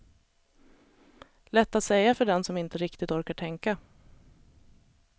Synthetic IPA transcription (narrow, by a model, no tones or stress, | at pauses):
lɛt̪ːat̪sɛjːafœɖɛnsɔmɪnt̪əɾɪkt̪ɪt̪ɔɾkaʈʰɛŋka